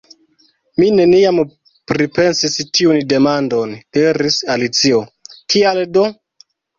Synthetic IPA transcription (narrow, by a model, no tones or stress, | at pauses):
mine̞niam | pɾipe̞nsistiunde̞mando̞ndeɾisalit͡siokʰialdo